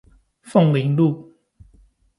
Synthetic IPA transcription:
fɔ˥˨ŋli˨˦ŋlu˥˨

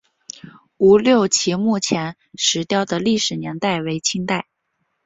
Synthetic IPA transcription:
u˧˥ljo˥˩ʊt͡ɕʰi˧˥mu˥˩t͡ɕʰjɛ˧˥n | ʂɻ̩˧˥t̪jɑ˥˧ʊd̪ə˨li˥˩ʂɻ̩˨˩njɛ˧˥nt̪a˥˩ɪwe˧˥ɪt͡ɕʰi˥ŋt̪a˥˩ɪ

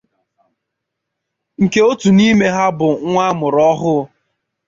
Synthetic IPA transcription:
ŋ̩˨ke˦o˦tu˨ni˦me˦ɦa˦bʊ˨ŋʷa˦mʊ˨ɾɔ˦ɦʊ˦

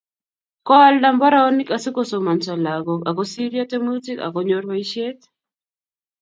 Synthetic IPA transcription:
kɔ˦alda˦mbɔ˦ɾao˦ni˦ka˨si˦ko˦so˨ma˨nsa˨la˨ɡɔ˨ka˨kɔ˦si˦ɾia˦te˦mu˦ti˦ka̰˨kɔɲo˦ɾwa˦i˦ʃje˦t̪

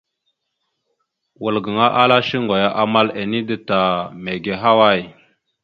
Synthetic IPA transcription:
wə˨lɡə˨ŋa˦ʔa˦la˦ʃi˦ŋɡa˨ja˦ʔa˨ma˦le˨ni˦də˨ta˨me˨ɡe˨ɦa˦wa˦˨j

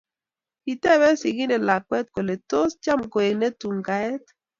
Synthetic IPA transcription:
i˨tɛ˦˨bɛ˦si˨ɡi˦nɛ˨la˨kwɛ˦t̚ko˨le˨to˦st͡ʃa˦mko˨e˨nɛ˦tu˨ŋɡa˨ɛ˦t

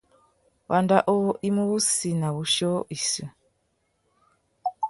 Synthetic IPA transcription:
wa˨nda˦ʔɔ˦ʔi˦mu˦βu˦si˨na˨βu˨˦ʃɔ˦i˨su˨

